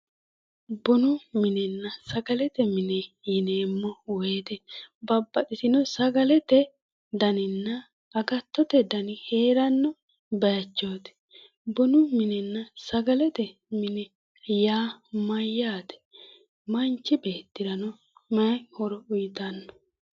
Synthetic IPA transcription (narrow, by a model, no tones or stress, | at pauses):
bɔnʊmɪnɛnːɐsɐɡɐlɛt̪ɛmɪnɛjɪneːmːɔweːt̪ɛbɐbːɐt̪ʼɪsɪnɔsɐɡɐlɛt̪ɛ | d̪ɐnɪnːɐː | ɡɐt̪ːɔt̪ɛd̪ɐnɪhe̞ːɾɐnːɔ | bɐjɐt͡ʃːoːt̪ɛ̥ | bɔnʊmɪnɛnːɐsɐɡɐlɛt̪ɛ | mɪnɛ | jaːmɐjːaːt̪ɛ̥ | mɐnt͡ʃːɪbe̞ːt̪ːɪɾɐnɔ | mɐjhɔɾɔʊjt̪ɐnːɔ